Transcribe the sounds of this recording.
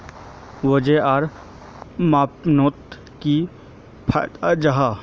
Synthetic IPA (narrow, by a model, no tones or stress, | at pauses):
ʋod͡ʒeaːɾ | maːpnoːt̪ | ki | pʰa̰t̪ad͡ʒaɦa